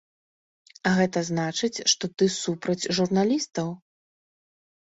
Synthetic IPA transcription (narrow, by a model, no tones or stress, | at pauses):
aɣɛt̪ɐznat͡ʂɨt͡sʲʂt̪ɔt̪ɨsupɾɐd͡zʲʐurnalʲist̪ɐw